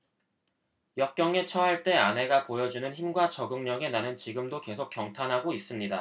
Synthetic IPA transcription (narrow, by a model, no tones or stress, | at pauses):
jʌp̚k͈jʌŋe̞t͡ɕʰʌɦaɭt͈e̞anɦe̞ɡapojʌd͡ʑunɯnçimɡwat͡ɕʌɡɯŋɲʌɡe̞nanɯnt͡ɕiɡɯmdoke̞sʰok̚jʌŋtʰanɦaɡois͈ɯmɲida